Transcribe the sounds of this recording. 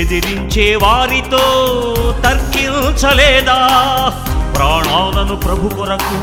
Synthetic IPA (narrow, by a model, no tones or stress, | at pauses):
ed̪iɾiɲt͡ʃeːʋaːɾit̪oːt̪ɐɾkint͡ʃɐleːd̪aː | pɾaːɳʋaːlɐnupɾɐbʱukɔɾɐkːu